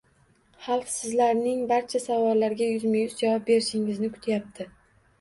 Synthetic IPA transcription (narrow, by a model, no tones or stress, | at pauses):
hɑlˠfsɪzlaɾnɪŋbaɾt͡ʃʰasavɒlːaɾɡʲajʊzmɪjʊzd͡ʒavɒp̚be̞ɾɪʃɪŋɪznɪkʰʊ̥t̪ʰjap̚t̪ʰɪ